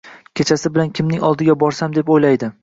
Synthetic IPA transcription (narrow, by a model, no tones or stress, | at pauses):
kʲʰe̞t͡ʃʰasɪbɪlankʲʰɪmnɪŋɒlˠd̪ɪɡʲabɒɾsamd̪e̞pojlajd̪ɪ